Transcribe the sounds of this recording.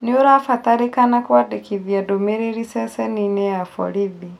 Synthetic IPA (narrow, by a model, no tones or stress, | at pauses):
nioɾafataɾikanakwwadekiðjadomeɾeɾisɛsɛninɛjafɔ̰ɾiði